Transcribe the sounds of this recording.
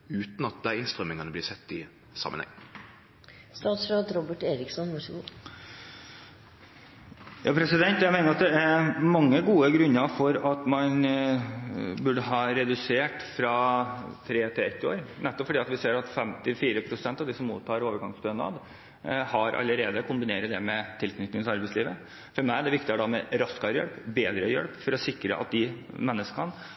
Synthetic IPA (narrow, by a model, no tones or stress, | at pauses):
ʉːt̪n̩ɑt̪̚d̪æɪɪnst̪ɾœmɪŋɑnəblɪːsɛt̪ːɪ | sɑ̰mə̰nhɛ̰ŋː | st̪ɑːt̪sɾɑːt̪ɾɔbəʈeːɾɪksɔnʋɑʂɡu | jʔɑːpʰɾɛsɪd̪ɛnt̪jæɪmæɪnəɾɑt̪d̪ɛæɾmɑŋːəɡuːəɡɾʉnːəfɔɾɑt̪mɑn | bʉɖəɦɑːɾɛd̪ʉseːʈfɾɑːt̪ʰɾeːt̪ʰɪɛt̪ːɪo̰ːɾnɛt̪ːɔpfɔɖiːɑt̪ʋɪseːɾɑt̪fɛmt̪ɪfiːɾəpʰɾʊsɛnt̪ɑʋd̪iːsɔmːṵːt̪ʰːɑːɾoːʋəɾɡɑŋsd̪øːnɑ̰ːd̪ | hɑɾʔɑ̰lːəɾeːd̪əkʰʊmbɪneːɾəd̪ɛmɛt̪ʰɪlkʰnʏt̪nɪŋt̪ɑɾbæɪsliːʋə | fɔɾmæɪɖ̪ɛʋɪkt̪ɪəd̪ɑmɛɾɑskɑjɛ̰lpbeːd̪ɾəjɛ̰lpfɔɾɔsɪkːɾə̰ʔɑ̰t̪̚d̪ɪ | mɛnːəskʰɑn